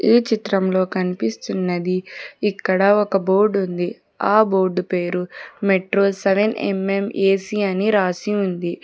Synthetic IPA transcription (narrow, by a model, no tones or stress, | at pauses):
iːt͡ʃit̪ɾɐmlo̞ːkɐnipist̪unːɐd̪iːkːɐɽɐɔkɐbo̞ːɾɖund̪i | aːboːɾɖpeːɾumeʈɾo̞ːlseʋenḛme̞meːsiɐniɾaːsiund̪i